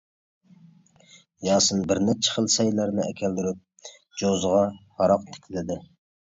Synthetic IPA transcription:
jɑːsɨnbɪɾnɛt͡ʃʰɛ̥χəlˠsɛjlæɾnɪɛkʲʰɛld̪yɾyp̚ | d͡ʒozʁɑhɑɾɑqt̪ʰɪ̥kʲʰilɪd̪ɪ

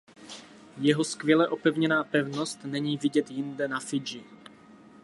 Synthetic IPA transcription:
jɛɦo̞skvjɛlɛʔo̞pɛvɲɛnaːpɛvno̞st̪nɛɲiːvɪɟɛt̪jɪndɛnafɪd͡ʒɪ

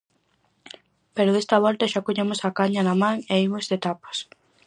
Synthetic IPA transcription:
peɾʊðest̪ɐβ̞ɔlt̪ɐʃakoɲemʊsakaɲɐnɐmãŋeimozðet̪apɐ̥s

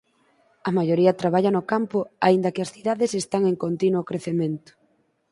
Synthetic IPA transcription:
ɐmajoɾiɐt̪ɾaβaʎɐnokampʊaind̪ɐkɪɐsθiðaðesest̪aŋeŋkont̪inwokɾeθemẽnt̪ʊ̥

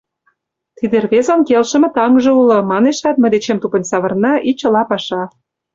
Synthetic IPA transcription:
t̪id̪erβezonkelʃə̆mĕt̪ɑŋʒɤ̆ulɤ̆mɑneʃɑt̪mə̆d̪et͡ɕemt̪upə̆nʲsɑβɤ̆rnɑʔit͡ɕɤ̆lɑpɑʃɑ

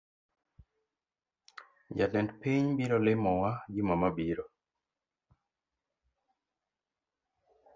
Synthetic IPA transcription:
d͡ʒalɛndpiɲbiɾɔlɪmɔwad͡ʒimamabiɾɔ

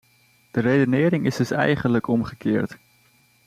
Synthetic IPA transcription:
d̥ərejdənɪːɾɪŋɪzdɵsɛ̰jχənləkɔmχəkɪːɹt

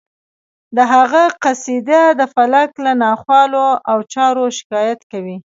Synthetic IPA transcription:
d̪əɦaɣaqasid̪ad̪əfalaklanɑxwɑloʔawt͡ʃɑɾoʃɪ̥kɑjat̪kawi

